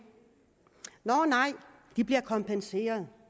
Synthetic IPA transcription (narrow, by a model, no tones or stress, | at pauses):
nɒnɑ̈ɪ̰ | d̥ib̥liɐkʰɒ̽mpʰense̝̰ːɐð̞̩ˠ